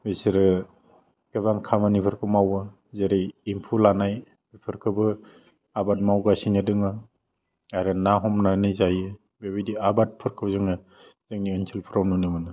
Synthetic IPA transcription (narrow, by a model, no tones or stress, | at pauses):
besiɾɯ | ɡ̥ɯbaŋkʰamanipʰɯɾkʰɯmawɯ | zeɾiimpʰulanaj | bipʰɯɾkʰɯbɯ | abat̚mawɡasinɯdɯŋɯ | aɾɯnaɦɔmnanɯjzajɯ | bebidiabat̚pʰɯɾkʰɯwzɯŋɯ | z̥ɯŋniɯnsʰilpʰɯɾɔwnɯnɯmɯnɯ